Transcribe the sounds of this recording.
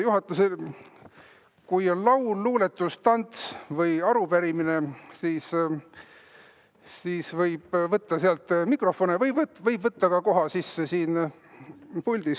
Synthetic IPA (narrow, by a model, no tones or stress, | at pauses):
juɦɑt̪ːˑusel | kujo̞nlɑwlːuːle̞t̪ːˑust̪ɑnt̪svɤjɑɾupæɾimine̞siːs | siːsvɤjb̥vɤt̪ːɑseɑlt̪ːˑmikro̞fo̞nevɤjbvt̪vɤjbvɤt̪ːɑkɑko̞ɦɑsisːesiːn | pulʲd̪̥is